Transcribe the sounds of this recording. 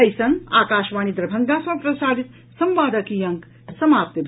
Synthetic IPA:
ɐjsɐna̰ːkaːʃʋaːnid̪ɾɐbʱɐŋɡaːsʋapɾɐsaːd̪it̪ | sɐmʋaːd̪ɐkijɐŋk | sɐmaːp̚t̪ibʱ

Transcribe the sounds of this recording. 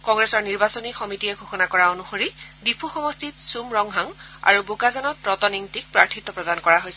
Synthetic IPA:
kɔŋɡɹesɔɹniɹbasɔnixɔmitijɛɡʱoxɔnakɔɹaonuxoɹidipʰuxɔmɔstit̪sumɹɔŋɦaŋa̰ɹubokazanɔtɹɔtɔniŋtik̚pɹaɹtʰit̪ːɔpɹɔdankɔɹaɦojsɛ

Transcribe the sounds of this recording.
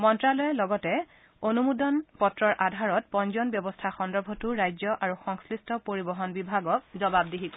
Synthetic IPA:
mɔntɹalɔjɛlɔɡɔtɛ | onumudɔnpɔtɹɔɹʔadʱaɹɔt̚pɔnzɔnbjɔbɔstʰaxɔndɔɹbʱɔtuɹajzjɔʔaɹuxɔŋslɹistʰɔpoɹibɔɦɔnbibʱaɡɔk̚zɔbab̚diɦikɔ

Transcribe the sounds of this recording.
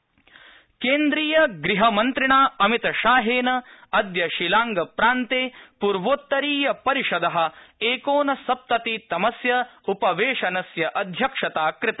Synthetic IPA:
keːnd̪ɾiːjɐɡɾiɦɐmɐnt̪ɾiɳaːɐmit̪ɐʃaːɦeːnɐɐd̪jɐʃilaːŋɡɐpɾaːnt̪eːpuːɾʋoːt̪ːɐɾiːjɐpɐɾiʃɐd̪ɐɦɐ̆eːkoːnɐsɐp̚t̪ɐt̪it̪ɐmɐsjɐupɐʋeːʂɐnɐsjɐʔɐd̪ʱjɐkʂɐt̪aːkɾɪt̪a

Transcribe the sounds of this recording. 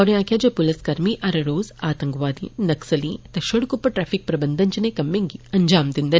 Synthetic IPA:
ɔːɾjãːkʲjaːd͡ʒepʊlɐskɐɾmiʔɐɾɐɾoːzaːt̪ɐ̃ŋkʋaːd̪ḭ̃nɐksɐlḭ̃ːt̪ɐʃoɽkʊpːɐʈɾɛːfʰik̚pɾɐbɐnd̪ʱɐnt͡ʃinẽkɐmːẽːŋɡiɐɲd͡ʒaːmd̪ind̪ɐ

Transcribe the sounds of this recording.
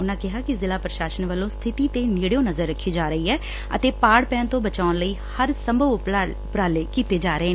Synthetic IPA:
ʊnãːkɪɦaːkɪzɪlaːpɾəʃaːsənʋəlːõːst̪ʰɪt̪iːt̪eːniːɽjõːnəzəɾːəkʰːiːd͡ʒaːɾəiːɦɛː | ə̰t̪eːpaːɽpɛːnt̪õːbət͡ʃaːʊnləiːhəɾsəmbʱəʋpː | pɾaːleːkiːt̪eːd͡ʒaːɾəeː

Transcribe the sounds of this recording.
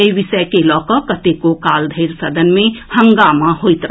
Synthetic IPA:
eibisəekelɔːkɔkət̪ekokaːld̪ʱəɪɾsəd̪ʱənmẽhəŋɡamaɦojt̪ɾə

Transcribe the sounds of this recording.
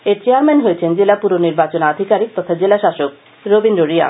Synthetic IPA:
eɾt͡ɕeaɾmɛnɦojet͡ɕʰend͡ʑelapuɾoniɾbat͡ɕonad̪ʱikaɾik̚t̪ɔt̪ʰad͡ʑelaʃaʃok̚ | ɾobinɾoɾia̰

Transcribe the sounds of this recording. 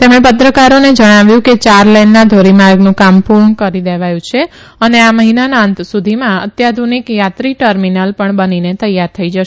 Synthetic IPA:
t̪emɽ̃ẽpət̪ɾəkaɾoned͡ʒəɽ̃aʋjũket͡ʃaɾlenːad̪ʱoɾimaɾɡnũkampuɾɳkəɾid̪eʋajũt͡ʃʰe | əneaməɦinanaənt̪sud̪ʱimãət̪jad̪ʱunikjat̪ɾiʈəɾminəlpəɳbəninet̪əjːaɾt̪ʰəid͡ʒəʃ

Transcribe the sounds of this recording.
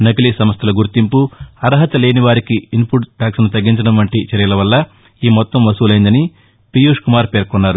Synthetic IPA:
nɐkɐlisɐmɐst̪ʰɐlɐɡuɾt̪impuɐɾɐɦɐt̪ɐle̞ːniʋaːɾikiimpuʈʈaːksɐnut̪ɐɡːiɲt͡ʃɐɽɐmʋɐɳʈit͡ʃɐɾijɐlɐʋɐlːɐ | iːmɔt̪ːɐmʋɐsuːlɐjnd̪ɐni | pijuːʂkumaːɾpeːɾkunːaːɾu

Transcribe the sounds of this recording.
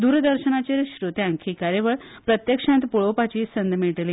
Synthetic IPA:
d̪uːɾd̪əɾɕənat͡ɕeɾɕɾut̪jãŋkʰikaɾeʋəɭpɾət̪jəkʂãnt̪puɭopat͡ɕiːsənd̪meʈliː

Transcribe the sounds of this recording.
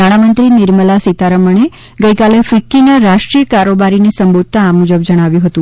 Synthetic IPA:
aɽ̃amənt̪ɾinɪɾməlasit̪aɾəməɳ̃e | ɡəikalefikːinaɾaʃʈɾijəkaɾobaɾinesəmbod̪̚ʱt̪aːmud͡ʒəb̚d͡ʒəɽ̃aʋjũɦət̪ũ

